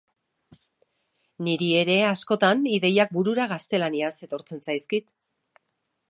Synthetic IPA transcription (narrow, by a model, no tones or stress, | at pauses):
niɾie̞ɾe̞asko̞t̪aniðe̞jak̚buɾuɾaɣ̞ast̪e̞laniase̞t̪o̞ɾt͡se̞nsajskit̪